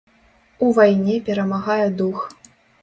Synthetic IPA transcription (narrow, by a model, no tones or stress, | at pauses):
uvajnʲɛpʲɛɾɐmaɣajɛd̪ux